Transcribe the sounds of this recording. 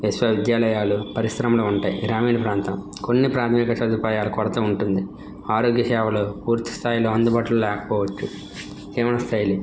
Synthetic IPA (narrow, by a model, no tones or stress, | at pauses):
esʋɐːʋid̪jaːlɐjaːlupɐɾisɾɐmɐluuɳʈaːjḭɡɾaːmiːnɐpɾaːnt̪ɐm | konːipɾaːt̪ʰɐmikɐʃɐd̪upaːjaːlɐkɔɽɐt̪ɐːuɳʈund̪i | aːɾoːɡjɐʃɛːʋɐloːpuːɾt̪i̥st̪ʰaːjilo̞ːɐnd̪ubaːʈɐlulɛːkɐ̥pɔːʋɐt͡ʃːu | k̪iːʋɐnɐst̪ʰɐjlu